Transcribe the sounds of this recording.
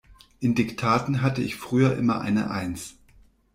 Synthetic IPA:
ʔɪndɪktʰaːtn̩ɦatəɪçfʁ̥yːɐʔɪmɐʔa̰ɪnə̰ʔa̰ɪns

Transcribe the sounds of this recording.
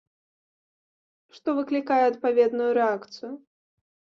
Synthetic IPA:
ʂt̪ɔvɨklʲikajɛɐt̪̚pavʲɛd̪nujuɾɛakt̪sɨjʊ

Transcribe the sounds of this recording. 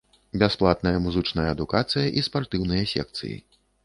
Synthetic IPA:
bʲasplˠat̪nɐjɐmuzɨt͡ʂnɐjɐːd̪ukat̪sɨjɐʔispart̪ɨwnɨjɐsʲɛ̰k̚t̪sɨ̰jḭ

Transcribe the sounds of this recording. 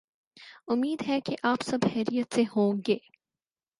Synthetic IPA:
ʊmːiːd̪ɦɛkeʔaːpsɐbhɛːɾijət̪sehõːɡeː

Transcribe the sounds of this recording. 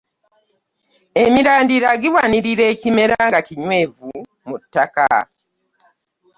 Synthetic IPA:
emiɾaːndiɾaɡiwaniɾiɾe̞ːcime̞ɾaŋɡaciɲwe̞ːvu | mutːaka̰

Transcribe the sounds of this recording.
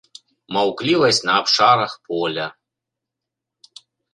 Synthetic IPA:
mɐwklʲivɐsʲnɐːpʂaɾɐxpʰolʲa

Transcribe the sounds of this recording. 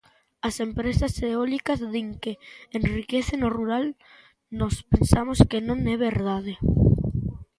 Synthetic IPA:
ɐsempɾesaseeolikazðiŋkeenrikeθenoruɾal | nospensamoskenõŋɛβeɾðað̞e

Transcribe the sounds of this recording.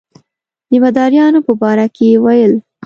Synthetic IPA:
d̪əmad̪ɑɾjɑnopəbɑɾakeewajəl

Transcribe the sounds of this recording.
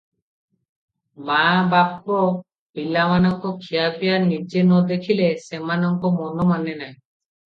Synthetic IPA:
mabap̚kɔ | bilamanɔŋkɔkʰijapijanid͡ʒenɔd̪ekʰilesemanɔŋkɔmɔnɔmanenaj

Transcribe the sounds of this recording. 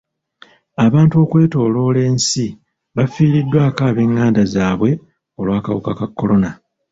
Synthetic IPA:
aβaːntuo̞kwe̞ːto̞ːlo̞ːle̞ːnsi | βafiːɾidːwaːkaːβeːŋːaːndazaːβwe̞ | o̞lwaːkawukakakːo̞lo̞na

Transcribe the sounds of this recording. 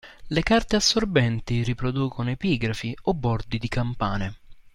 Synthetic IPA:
lekart̪easːorbɛnt̪iripɾod̪uːkonoepiːɡɾafiobːɔrd̪id̪ikampa̰ːne

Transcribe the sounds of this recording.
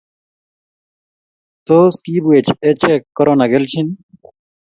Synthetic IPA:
t̪oskiːbuet͡ɕʰet͡ɕʰekːoɾonaɡelt͡ɕʰin

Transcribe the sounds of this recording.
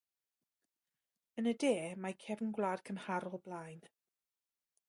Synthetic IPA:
ənədeːmajkʰɛvənɡwlˠaːd̥kʰənhaɾɔlˠblˠaːjn

